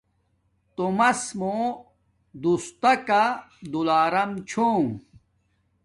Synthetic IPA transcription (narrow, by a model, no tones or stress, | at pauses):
t̪omɐsmo | d̪ust̪ɐkad̪ulaːɾɐmt͡ɕʰo